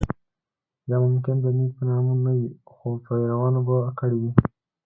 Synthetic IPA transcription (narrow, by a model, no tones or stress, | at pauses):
d̪ɑmʊmkɪnd̪ənuɡ̚pənɑmunawixopəɾawɑnobakəɽiwi